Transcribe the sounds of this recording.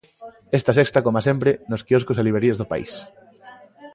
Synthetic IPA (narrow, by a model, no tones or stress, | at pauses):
est̪asekst̪akomasempɾenoskiɔskosaliβɾeɾiezðopa̰ḭs